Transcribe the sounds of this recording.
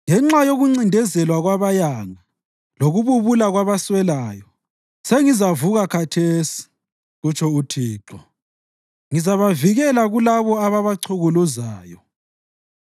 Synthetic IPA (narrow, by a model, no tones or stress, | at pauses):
ŋɛŋ͡ǁajoɣuŋ͡ǀindʱɛzɛlwaɣwaβajaŋa | loɣuβuβulaɣwaβaswɛlaːjɔ | seŋizavuɣakʰatʰeːsi̥ | ɣut͡ʃʰʼɔutʰiːǁɔ | ŋizaβaviɣɛlaɣulaβɔaβaβaǀʰuɣuluzaːjɔ